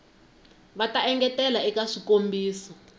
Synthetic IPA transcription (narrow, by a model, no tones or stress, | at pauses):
βataɛŋɡɛtɛlaɛkaʂikombiːsɔ